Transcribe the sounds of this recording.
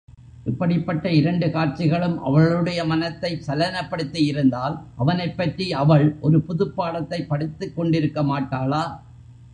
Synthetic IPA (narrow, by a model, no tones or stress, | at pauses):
ʔɪpːɐɽɪpːɐʈːɐɪɾɐɳɖɯkaːɾt͡ʃːɪɣɐɭɯmʔɐ̰ʋɐɭɯɽɐjɐmɐnɐt̪ːɐɪsɐlɐnɐpːɐɽɯt̪ːɯjɪɾɯnd̪aːlʔɐʋɐnɐɪpːɐʈriɐʋɐɭʔɔɾɯpʊðɯpːaːɽɐt̪ːɐɪpːɐɽɯt̪ːɯkːɔɳɖɪɾɯkːɐmaːʈːaːlaː